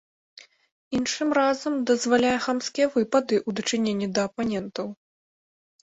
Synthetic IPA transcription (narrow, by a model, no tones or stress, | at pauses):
inʂɨmrazɐmd̪ɐzvalʲajɛxamskʲijɐvɨpɐd̪ɨʔud̪ɐt͡ʂɨnʲenʲːid̪ɐːpanʲɛnt̪ɐw